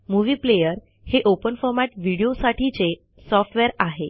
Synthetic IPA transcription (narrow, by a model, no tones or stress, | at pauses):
muʋiːplejəɾ | heʔopənfɔɾmaʈʋiɽijosaʈʰit͡se | sɔfʈʋɛɾaɦe